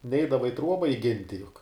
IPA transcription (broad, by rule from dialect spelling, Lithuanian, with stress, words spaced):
ˈnʲɛɪdɐʋɐ ɪ ˈtruɔbɐ ɪˈɡʲɪnʲtʲɪ jʊk